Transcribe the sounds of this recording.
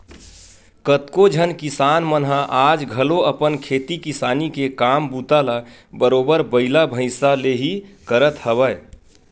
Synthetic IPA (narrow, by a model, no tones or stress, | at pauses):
kət̪kod͡ʒʱənkisanmənɦaʔad͡ʒɡʱəloəpənkʰet̪ikisaːnikekambut̪ala | bəɾoːbəɾbəɪlabʱə̃ɪsaleɦikəɾət̪həβə